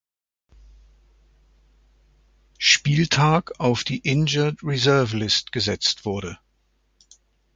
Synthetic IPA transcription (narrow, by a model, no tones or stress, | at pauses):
ʃpiːltʰaːkaʊfd̥iːʔɪnd͡ʒɐtʁizɛɐvlɪstɡ̥əzɛt͡stv̥ʊɐɾə